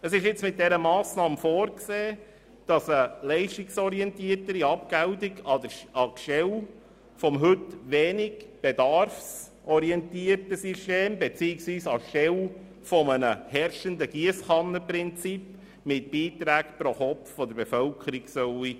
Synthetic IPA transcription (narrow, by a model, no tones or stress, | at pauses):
əsɪʃɪt͡smɪt̚d̪ɛɾəmɑːsnɑːmfoːɾkseː | d̥ɑsəlɛɪʃtiksɔɾiɛntiːətəɾiɑpɡæʊtiɡɑdəɑkʃɛl | fɔmɦɵtʋɛːniɡb̥ed̪ɑrfs | ʔɔɾiɛnt̪iəɾtəsyʃteːmbɛt͡siːɪksʋiːsɑʃɛl | fɔmənəhɛɾʃəndəɡiəsχɑnːəpɾɪnt͡sip | mɪtb̥iːt̪ɾæːkpɾɔχɔpffɔd̪əɾbefœlkʰəɾiɡsœwi